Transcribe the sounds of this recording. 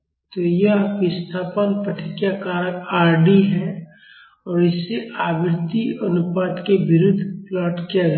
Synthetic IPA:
t̪ojɐɦʋɪst̪ʰaːpənpəʈʰɪkjakaːɾəkaːɾɖiɦɛ | ɔːɾɪsːeʔaːbɪɾt̪iənʊpaːt̪kebɪɾʊd̪ʱːplɔːʈkaɾ

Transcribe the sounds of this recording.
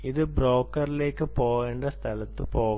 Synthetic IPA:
iðɨbro̞ːkːɐrile̞ːkːɨpoːɣeːɳɖɐst̪ʰɐlɐt̪ːɨpo̞ːɣ

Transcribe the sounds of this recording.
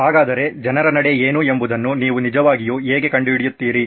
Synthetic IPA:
ɦaːɡaːd̪ɐɾe̞d͡ʒɐnɐɾɐnɐɽe̞eːnue̞mbud̪ɐnːuniːʋunid͡ʒɐʋaːɡijuɦeːɡe̞kɐɳɖuʋiɽijut̪ːiːɾi

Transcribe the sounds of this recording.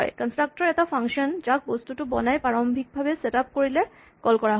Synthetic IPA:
ekənsʈɾak̚ʈɔɾɛtafaŋʃɔnd͡ʑak̚bost̪uʈubɔ̰naepaɾombʱik̚bʱabeseʈap̚koɾile | kɔlkɔɾaɦ

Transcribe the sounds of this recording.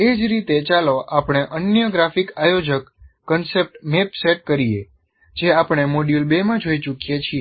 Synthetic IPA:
ed͡ʒɾit̪et͡ʃaloʔapɽ̃eʔənjəɡɾafikajod͡ʒəkː | ənsep̚ʈmepseʈ̚kəɾije | d͡ʒeapɽ̃emoɖjulbemãd͡ʒoit͡ʃukijet͡ʃʰie

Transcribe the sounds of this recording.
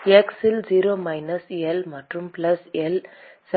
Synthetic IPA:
eksɪld͡ʒiːɾoːmɐɪnɐsɛlmɐʈrɯmpɪlɐsɛl | sɐ

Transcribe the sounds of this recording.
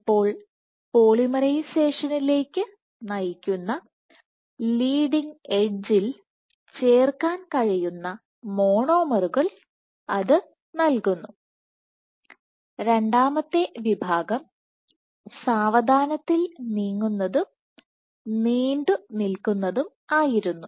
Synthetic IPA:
ipːo̞ːɭ | poːɭimɐɾɐjɕe̞ːʂɐnile̞ːkʲːɨ | nɐjikʲːunːɐ | liːɖiŋe̞d͡ʑil | t͡ɕe̞ːrkaːnkɐɻijunːɐ | mo̞ːɳo̞ːmɐruɣɐɭ | ɐðɨ | nɐlkunːu | ɾe̞ɳɖaːmɐt̪ːe̞ʋibʱaːɡɐm | saːʋɐd̪ʱaːnɐt̪ːilniːŋːunːɐðum | niːɳɖɨnilkunːɐðum | aːjiɾunːu

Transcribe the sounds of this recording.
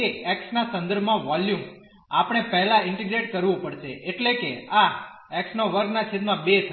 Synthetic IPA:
eɛksnasə̃nd̪əɾbʱmãʋaljum | a̰pəɽ̃epɛɦɛlãɪɳʈiɡɾeʈkəɾʋõpəɽʃeʔeʈlekea | ɛksnoʋəɾɡnat͡ʃʰed̪mãbet̪ʰ

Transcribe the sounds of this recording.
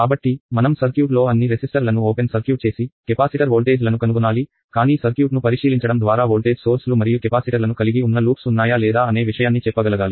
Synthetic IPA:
kaːbɐʈːimɐnɐmsɐɾkjuːʈ̬lo̞ːɐnːiɾesisʈɐɾlɐnuoːpensɐɾkjuːʈ̚t͡ʃe̞ːsikɛpaːsiʈɐɾoːlʈe̞ːd͡ʒlɐnukɐnukunaːli | kaːniːsɐɾkjuːʈnupɐɾiʂiːliɲt͡ʃɐɽɐmd̪ʋaːɾaːɦoːlʈe̞ːd͡ʒso̞ːɾslumɐɾijukɛpaːsiʈɐɾlɐnukɐliɡiunːɐluːpsunːaːjaːlɛːd̪aːɐne̞ːʋiʂɐjaːnːit͡ʃɛpːɐɡɐlɐɡaːli

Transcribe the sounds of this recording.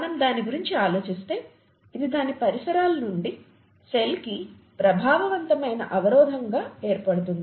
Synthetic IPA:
nɐmd̪aːniɡuɾiɲt͡ʃiaːlo̞ːt͡ʃist̪e̞ː | id̪id̪aːnipɐɾisɐɾaːlɐnuɳɖi | selki | pɾɐbʱaːʋɐʋɐnt̪ɐmɐjnɐ̰ʔɐʋɐɾɔːd̪ʱɐŋɡaːe̞ːɾpɐɽut̪̬und̪ii

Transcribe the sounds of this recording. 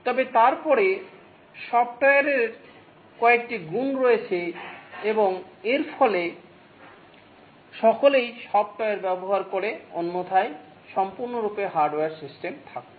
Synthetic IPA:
t̪ɔbet̪aɾpɔɾe | ʃɔp̚ʈɔjeɾeɾ | kɔek̚ʈiɡunɾoet͡ɕʰeeboŋeɾfʰɔle | ʃɔkolejʃɔp̚ʈɔeɾbɛboɦaɾkoɾeonːot̪ʰae | ʃɔmpuɾnoɾupeɦaɾɖoweaɾsisʈemt̪ʰak̚e

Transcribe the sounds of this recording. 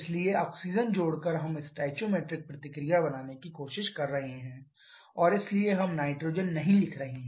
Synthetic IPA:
ɪslieɔːksiːd͡ʒənd͡ʒoːɽkɐɾɦɐmɪsʈaːt͡ʃoːmeːʈɾɪk̚pɾɐt̪ɪkɾijabɐnaːnekikoːʃɪʃkɐɾːɐɦeɦɛ̃ː | ɔːɾɪslieɦɐmnaːɪʈɾoːd͡ʒənːɐɦĩlɪkʰɾɐɦẽɦɛ̃

